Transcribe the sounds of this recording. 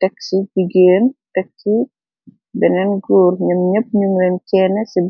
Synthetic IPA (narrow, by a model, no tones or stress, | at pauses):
tɛksid͡ʒiɡeːntɛk̚si | bɛnɛnɡuːɾɲɐmɲəp̚ɲuŋɾɛnkɛːnɛsib